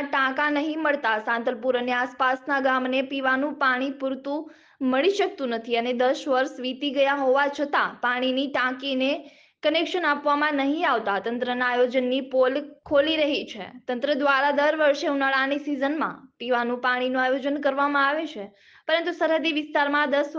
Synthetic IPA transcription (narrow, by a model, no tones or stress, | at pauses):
aʈãkãnəɦĩməɭt̪asãnt̪əlpuɾəneaspasnaɡamnepiʋanũpaɽ̃ipuɾt̪ũ | məɭiʃək̚t̪ũnət̪ʰiəned̪əʃʋəɾʃʋit̪iɡəjaɦoʋat͡ʃʰət̪apaɽ̃iniʈãkine | kənekʃənapʋamãnəɦĩaʋt̪at̪ə̃nt̪ɾənaːjod͡ʒənːipolkʰoliɾəɦit͡ʃʰḛt̪ə̃nt̪ɾəd̪ʋaɾad̪əɾʋəɾʃeunaɭanisizənmã̰piʋanũpaɽ̃inũajod͡ʒənkəɾʋamãaʋet͡ʃʰe | pəɾə̃nt̪usəɾɦəd̪iʋɪst̪aɾmãd̪əs